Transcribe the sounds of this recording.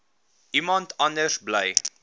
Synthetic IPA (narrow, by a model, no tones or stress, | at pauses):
ʔimɐntɐndəsbləj